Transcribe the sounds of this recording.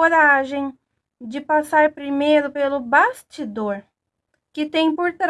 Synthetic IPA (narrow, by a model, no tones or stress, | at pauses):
oɾaʒẽj̃ | d͡ʒɪpasaɾpɾimejɾʊpelʊbast͡ʃid̪oɾ | kɪt̪ẽj̃poɾt̪ɾ